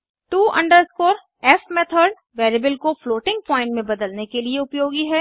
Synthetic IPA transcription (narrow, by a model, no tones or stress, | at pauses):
ʈuːʔɐ̰̃ɳɖəɾskoːɾ | ɛfmeːt̪ʰəɾɖ | ʋeːɾebəlkofloːʈɪ̃ŋɡ̚pɔ̃ːɪ̃ɳʈmẽbɐd̪əlnekelieʊpjoːɡiɦɛː